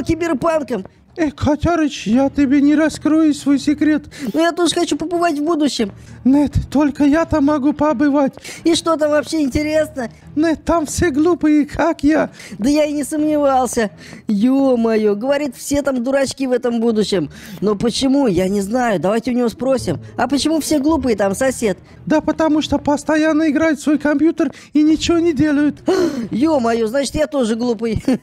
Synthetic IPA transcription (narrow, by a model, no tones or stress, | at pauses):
kʲɪbʲɪrpankəm | ekʰɐt̪ʲaɾɨt͡ɕjatʲɪbʲenʲɪɾɐskɾojʊsvo̞jsʲɪkɾʲe̞t̪nujat̪oʐəxɐt͡ɕupəpɨvatʲvbud̪ʊɕːɪmnet̪t̪ːo̞lʲkəjat̪amːɐɡupɐbɨvatʲiʂt̪o̞t̪̬amvɐpɕːeɪnʲtʲɪɾʲe̞snə | nɛt̪t̪ːamfsʲeɡlˠupɨjɪkʰakjad̪əjaɪnʲɪsəmnʲɪvalˠsʲə | jomɐjoɡəvɐɾʲit̪fsʲe̞t̪amd̪ʊɾɐt͡ɕkʲivɛt̪əmbud̪ʊɕːɪm | nopət͡ɕɪmujanʲɪznajʊd̪ɐvajtʲɪʊnʲɪvospɾosʲɪmɐpət͡ɕɪmufsʲeɡlˠup̬ɨjɪt̪amsɐsʲet̪̚ | d̪əpət̪ɐmuʂt̪opəst̪ɐjanːəɪɡɾajɪt̪svo̞jkɐmʲpʲjut̪ər | inʲɪt͡ɕɪvonʲɪdʲelˠəjʊt̪jomɐjoznat͡ɕɪt̪jat̪o̞ʐɨɡlˠupɨj